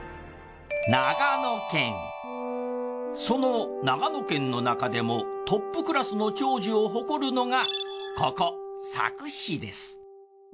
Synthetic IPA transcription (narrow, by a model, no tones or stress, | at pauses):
naɡanokẽ̞ŋ | so̞nonaɡano̞kẽ̞nːo̞nakad̪e̞mo̞t̪o̞pːɯ̟kɯ̟ɾasɨno̞t͡ɕo̞ːʑio̞ɦo̞ko̞ɾɯ̟no̞ŋakʰokosa̰kɯ̟ɕid̪e̞sɨ̥